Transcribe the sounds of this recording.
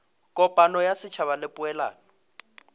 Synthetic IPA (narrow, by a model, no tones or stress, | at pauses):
kʼɔpʼanɔjasɪt͡ʃʰaβalɪpʼʊɛla̰ːnɔ